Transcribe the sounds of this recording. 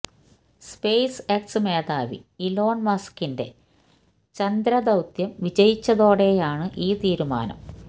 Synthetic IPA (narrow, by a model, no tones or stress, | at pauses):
spejseksɨmeːd̪aːʋḭilo̞ːɳmɐskinde̞̰ | t͡ɕɐnd̪ɾɐd̪ɐwt̪jɐmʋid͡ʑɐjit͡ɕːɐðo̞ːɽe̞jaːɳɨʔiːt̪iːɾuma̰ːnɐ̰m